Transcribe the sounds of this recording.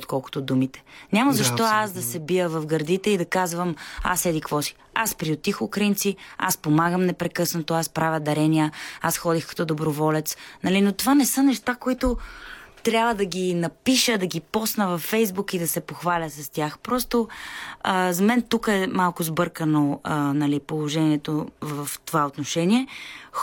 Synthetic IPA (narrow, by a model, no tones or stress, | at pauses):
ot̪kɔlˠkʊ̥t̪ʊd̪umit̪ɛ̥nʲaməzɐʃt̪ɔasd̪ɐsɛbijəvɐfɡɐɾd̪it̪ɛid̪ɐkazvəma̰sɛd̪ikvɔsi̥ | aspɾiot̪ixʊkɾint̪sia̰spomaɡəmnɛpɾɛkɤsnot̪oaspɾavʲəd̪ɐɾɛnʲijəasxɔd̪ixkɐ̥t̪ɔd̪obɾovɔlɛt̪snɐlinot̪ovanɛsənɛʃt̪akoit̪ʊt̪ɾʲabvəd̪ɐɡʲinɐpiʃəd̪ɐɡipɔsnəvɐfːɛjzbukid̪ɐsɛpoxvalʲəsɐst̪ʲaxpɾɔst̪oəzɐmɛnt̪ukəɛmalˠkʊzbɤɾkənoənɐlipolˠoʒɛniɛt̪ovəft̪ovaot̪noʃɛniɛ